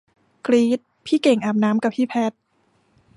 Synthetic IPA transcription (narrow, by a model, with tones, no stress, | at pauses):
kliː˦˥t̪̚pʰiː˥˩ke˨˩ŋʔaː˨˩p̚naː˦˥mka˨˩p̚ʰiː˥˩pʰɛ˦˥t̪̚